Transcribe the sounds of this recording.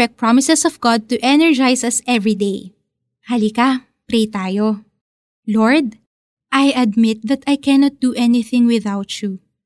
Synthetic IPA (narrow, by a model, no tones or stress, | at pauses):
ɛk̚pɹamɪsɛsɔvɡad̪̚t̪uʔɛnɛɹd͡ʒajsɐsɛvɹid̪ej | hɐlika | pɾejt̪aːjo | loɹd̪̚ | ʔajɐd̪̚mɪt̪̚ðɐt̪ajkɛnɔt̪̚d̪uʔɛnɪθɪ̃ŋwɪðawt͡ʃu